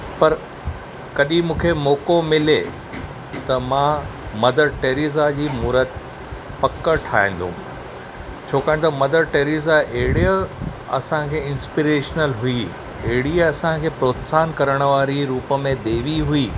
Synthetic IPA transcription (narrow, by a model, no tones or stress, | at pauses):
pɐɾ | kɐɗĩmũːkʰemɔːkomɪle | t̪ɐmãːmɐd̪əɾʈeːɾizad͡ʑiːmuːɾət̪ | pɐkəʈʰaːɦḛ̃ːn̆d̪ṵ̃m | t͡ɕʰoːkaːɦɪ̃t̪ɐmɐd̪əɾʈeːɾizaʔeɦɪɽiə | ɐ̰sãkʰeːɪ̃nspiɾeːʃnəlɦui | eɦɪɽiɐsãkʰeːpɾoːt̪saːnkɐɾəɽ̃ə̆ʋaːɾiɾuːpəmẽd̪eːʋiɦuiː